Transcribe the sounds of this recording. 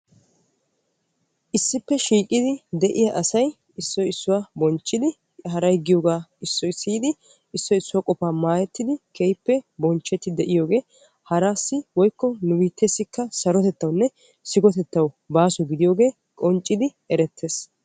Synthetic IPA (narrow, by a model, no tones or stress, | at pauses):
ʔɪsːɪpːɛʃiːkʼɪd̪ɪd̪ɛʔɪjɐʔɐsɐj | ɪsːɔɪsːʊwabɔnt͡ʃʼːɪd̪ɪ | ɦɐɾɐjɡɪjoːɡaːɪsːɔɪsːiːd̪ɪ | ɪsːɔɪsːʊwakʼɔpaːmaːjɛt̪ːɪd̪ɪkʰejpːɛbɔnt͡ʃːɛt̪ːɪd̪ɛʔɪjo̞ːɡe̞ː | hɐɾaːsːɪwɔjkːɔnʊwiːt̪ːɛsːɪkːɐsɐɾɔt̪ɛt̪ːɐwnːɛ | sɪɡɔt̪ɛt̪ːɐw | baːsɔɡɪd̪ɪjo̞ːɡe̞ː | kʼɔnt͡ʃʼːɪd̪ɪ | ɛɾɛt̪ʰːeːs